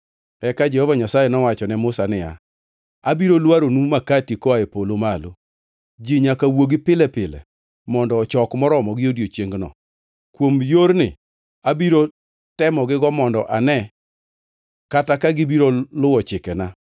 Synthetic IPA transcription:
ɛkad͡ʒɛhɔvaɲasajɛnɔwat͡ʃɔnɛmʊsanɪa̰ | abiɾolwaɾonumakatikɔaepolomalo | d͡ʒiɲakawoɡipɪlɛpɪlɛ̰ | mɔndɔːt͡ʃɔkmɔɾɔmɔɡɪjodjot͡ʃjeŋɡnɔ̰ | kwomjoɾnɪ̰ | abiɾo | tɛmɔɡɪɡɔmɔndɔʔanɛ | katakaɡɪbiɾolʊwɔt͡ʃɪkɛna

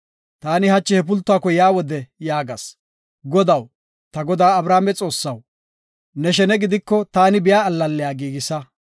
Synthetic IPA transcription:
t̪aːnɪhɐt͡ʃːɪhɛp̬ʊlt̪ːʊaːkɔjaːwɔd̪ɛjaːɡɐ̰s | ɡɔd̪ɐw | t̪ɐɡɔd̪aːɐbɾaːmɛt͡sʼo̞ːsːɐw | nɛʃ̬ɛnɛɡɪd̪ɪkːɔt̪aːnɪbɪjaːlːɐlːɛjaːɡiːɡɪsɐ

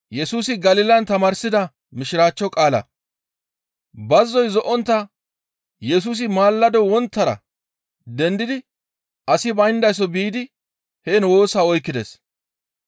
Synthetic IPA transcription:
jɛsuːsɪɡɐlɪlɐnt̪ɐmaːɾsɪd̪ɐ | mɪʃɪɾaːt͡ʃːɔkʼaːlɐ̰ | bɐzːɔjzɔʔɔnt̪ːɐ | jɛs̬uːs̬ɪmaːlːɐd̪ɔwɔnt̪ːɐɾɐ̰ | d̪ɛnd̪ɪd̪ɪ | ɐsɪbɐjnd̪ɐjs̬ɔbiːd̪ɪ | heːnwo̞ːsaɔjkːɪd̪ɛs

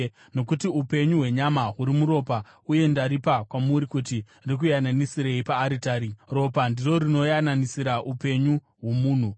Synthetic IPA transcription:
no̞kutiupe̞ɲuɦwe̞ɲamaɦuɾimuɾo̞pa | uje̞ndaɾipakwamuɾikuti | rik̬ujananisiɾeipaːɾitaːɾiro̞pandiro̞ɾino̞jananisiɾaʔupe̞ɲu | ɦwo̞muːn̤u

